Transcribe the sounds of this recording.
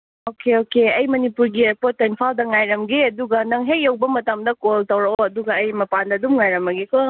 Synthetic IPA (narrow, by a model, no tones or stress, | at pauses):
okeokeɐjmɐnipuɾɡiepotːinpʰaldɐŋajɾɐmɡeɐduɡɐnɐŋɦejewbɐmɐtɐmdɐkoltɐwɾɐoɐduɡɐːjmɐpandɐdumŋajɾɐmɐɡekʰɔ